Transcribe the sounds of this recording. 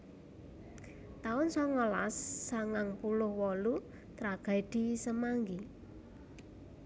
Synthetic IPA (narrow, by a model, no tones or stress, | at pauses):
t̪aʊnsɔŋəla̰sːaŋaŋpulʊhwɔlu | t̪ɾaɡ̥a̤id̪̥i̤səmaŋɡi